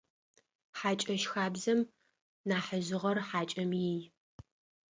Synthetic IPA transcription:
ħaːt͡ʃʼɐʃxaːbzɐm | naːħəʑɨʁɐrħaːt͡ʃʼɐmjij

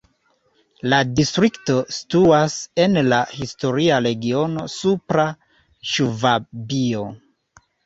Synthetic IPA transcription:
ladistɾikto̞si̥tuase̞nlahisto̞ɾiaɾe̞ɡio̞no̞supɾa | ʃuvabio̞

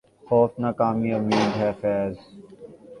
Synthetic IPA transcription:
xɔːt̪nakaːmiɐmjuːd̪ɦɛːfɛːz

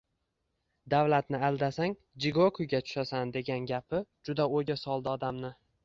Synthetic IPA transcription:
d̪avlat̪nɪald̪asaŋ | d͡ʒɪɡokʰʊjɡʲat͡ʃ̪ʰʊ̥ʃasand̪e̞ɡʲanɡʲapɪd͡ʒʊd̪aoɡʲasɒlˠd̪aɒd̪amnɪ

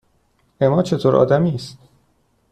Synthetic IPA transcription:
emɒːt͡ʃʰe̞t̪ʰoːɾʔɒ̰ːd̪æmiːst̪̚

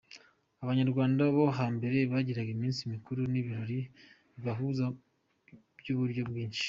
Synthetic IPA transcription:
aβaɲaɾɡwaːndaβo̞ɦaːmbe̞ɾe̞βaɟiɾaɡimiːnsimikuɾuniβiɾo̞ɾi | βaɦuza | bjuβuɾɟo̞bɡiːnʃi̥

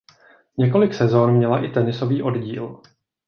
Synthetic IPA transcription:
ɲɛko̞lɪksɛzo̞nmɲɛlaʔɪt̪ɛnɪso̞viːʔo̞dɟiːl

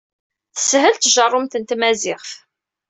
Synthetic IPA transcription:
θə̥sɦəlt̪ʒɑrˤːʊmt̪ənt̪mæzɪʁf

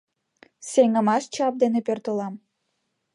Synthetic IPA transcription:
seŋə̆mɑʃt͡ɕɑp̚d̪enepert̪olɑm

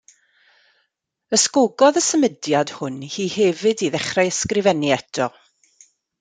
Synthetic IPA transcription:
əskoɡɔðəsəmədjad̥hʊnhiːhɛvɨdiðɛχrajəskrɪvɛniɛtʰɔ

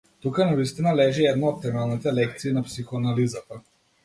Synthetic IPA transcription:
t̪ukanavist̪inalɛʒiɛd̪naɔt̪̚t̪ɛmalˠnit̪ɛlɛk̚t̪siːnapsixonalizapa

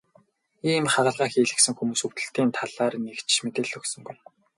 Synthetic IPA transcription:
iːmχaʁə̆ɮʁaːxiːɮɘ̆ksɘ̆ŋxumuːsuw̥t̪ɵ̆ɬt̪iːnt̪ʰaɮaːrnekt͡ɕmet̪eːɮɵksɵ̆ŋɡuj

